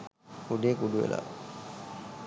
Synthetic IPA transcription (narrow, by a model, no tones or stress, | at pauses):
uɖeːkuɖuʋḛla̰